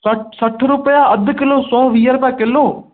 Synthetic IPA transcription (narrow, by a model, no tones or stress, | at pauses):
səʈsəʈʰɾʊpəjaːəd̪ʱkɪloːsɔːʋiːəɾpɛ̃ːkɪloː